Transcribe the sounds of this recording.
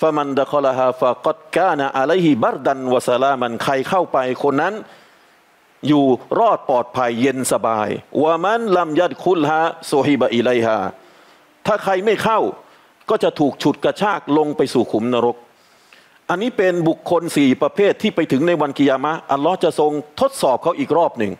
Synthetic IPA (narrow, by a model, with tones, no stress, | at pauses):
fa˧ma˧nd̪a˦xɔ˦la˧ɦaː˧fa˨qɑ˦d̪̚kaː˥˩na˨ʔa˧la˦˥jhi˨ba˦˩ɾd̪a˧nwa˨sa˧laː˦˧ma˧nkʰa˧jkʰa˥˩wpa˧jkʰo˧nːa˦˥n | juː˨˩ɾɔː˥˩t̪̚pɔː˨˩t̪̚pʰa˧jːe˧nsa˧ba̰ː˧jwa˧ma˦nla˧mja˦d̪̚kʰu˦˥˨lɦaː˧su˦hi˦baʔi˨la˦˥jɦa̰ː˧ | t̪ʰaː˥˩kʰa˧jma˥˩jkʰa˥˩w | kɔː˥˩t͡ɕa˨˩t̪ʰuː˨˩k̚t͡ɕʰu˨˩t̪̚ka˧t͡ɕʰaː˥˩k̚lo˧ŋpa˧jsuː˨˩kʰu˩˦mna˧ɾo˦˥k̚ | ʔa˧nːiː˦˥pe˧nbu˨˩kʰːo˧nsiː˨˩pɾa˧pʰeː˥˩t̪ʰːiː˥˩pa˧jt̪ʰɯ˩˦ŋna˧jwa˧nki˧jaː˧ma˦˥ʔa˧lːɔː˦˥ht͡ɕa˨˩so˧ŋt̪ʰo˦˥t̪̚sɔː˨˩p̚kʰa˦˥˩wʔiː˨˩k̚ɾɔː˥˩p̚nɯ˨˩ŋ